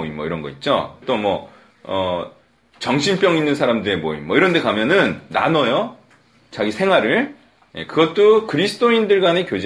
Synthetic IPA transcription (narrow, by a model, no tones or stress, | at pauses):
oimmʌiɾʌnɡʌit̚t͡ɕ͈o̰t͈omwʌ | ʌ | t͡ɕʌŋɕʰinp͈jʌŋinːɯnsʰaɾamdɯɾemoḭmːʌiɾʌnde̞kamjʌnɯnːa̰nʌjʌ | t͡ɕaɡisʰe̞ŋɦwaɾɯɭ | je̞̰kɯɡʌt̚t͈okɯɾisʰɯ̥t͈ʰoindɯɭɡwanekjod͡ʑ